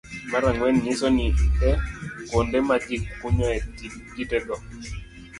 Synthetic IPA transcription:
maɾaŋwɛnɲɪsɔniɛkondɛmad͡ʒikːuɲɔɛtiɡitɛɡɔ

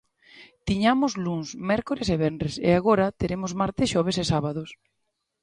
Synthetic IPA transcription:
t̪iɲamʊzluŋsmɛɾkoɾeseβ̞ɛndɾesḛaɣoɾɐt̪eɾemozmaɾt̪ɪsʃɔβ̞esesaβaðos

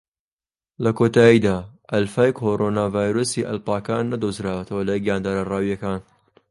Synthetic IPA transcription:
lɐkʰot̪ʰaːjiːd̪aːʔɐlfaːjkʰoɾonaːvaːjɾoːsiːʔɐ̰lpaːkaːnːɐd̪ozɾaːwɐt̪ʰɐwɐlɐjɡjaːnd̪aːɾaraːwijɐkaːn

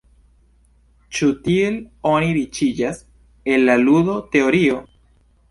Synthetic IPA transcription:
t͡ʃutie̞lo̞niɾit͡ʃid͡ʒas | e̞nlaludo̞te̞o̞ɾio̞

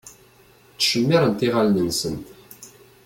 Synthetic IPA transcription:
t̪ə̥ʃəmːæɾənt̪iʁalnənsən

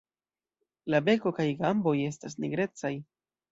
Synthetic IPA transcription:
labe̞ko̞kajɡambo̞je̞stas̬niɡɾe̞t͡saj

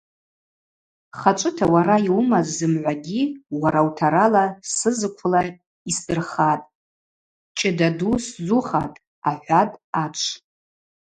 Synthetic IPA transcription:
χat͡ʃʷʼɨtʰawaɾaiwmazːɨmʕʷaɡʲiwaɾawtʰaɾalasɨzɨkʷʰʊla | isdɨrχatʼ | t͡ʃʼɪdaduszuχatʼ | aħʷatʼat͡ʃʷʰ

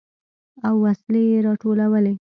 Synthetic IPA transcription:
awːaslejeɾɑʈolawəle

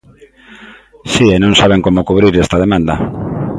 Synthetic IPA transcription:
siɛnõŋsaβeŋkomʊkuβɾiɾɛst̪ɐðemãnd̪ɐ

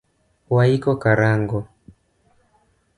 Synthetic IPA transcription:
waikɔkaɾaŋɡɔ

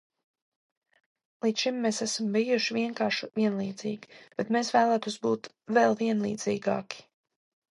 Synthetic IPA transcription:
lˠiːt͡ʃ̪ʃimːesæsambijuʃivʲiɛŋkaːɾʃuviɛnlˠiːd̪zḭːɡib̥ɛt̪mesvæːlˠaːt̪uːsbuːt̪ | vɛlˠviɛnlˠḭːd̪z̥ḭːɡa̰ːki̥

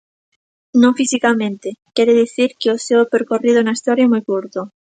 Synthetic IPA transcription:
nõŋfisikamẽnt̪ekjeɾeðiθiɾkeoseopeɾkoriðonaist̪oɾjamujkuɾt̪o

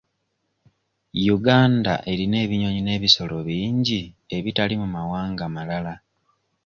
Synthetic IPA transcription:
juɡaːnda̰ʔe̞ɾine̞ːβiɲo̞ɲine̞ːβiso̞lo̞βiːɲɟi | e̞βitalimumawaːŋɡamalala

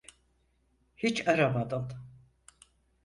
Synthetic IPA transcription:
hit͡ʃaɾamad̪ɯm

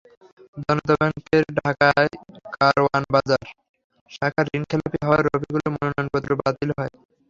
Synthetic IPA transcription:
d̪ɔnot̪abɛŋkeɾɖʱakaekaɾowanbad͡ʑaɾ | ʃakʰaɾɾiŋkʰɛlapiɦɔaɾobiɡulomononɔonpɔt̪ːɾobat̪ilɦɔe

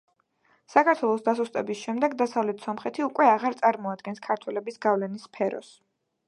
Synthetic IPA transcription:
sakʰaɾt̪ʰwɛlˠɔsd̪asust̪ʼɛbisʃɛmd̪ɛɡd̪asavlɛt̪ʰsɔmχɛt̪ʰiukʼwɛaʁaɾt̪sʼaɾmɔad̪ɡɛnskʰaɾt̪ʰwɛlɛbisɡavlɛnisːpʰɛɾɔ̰s

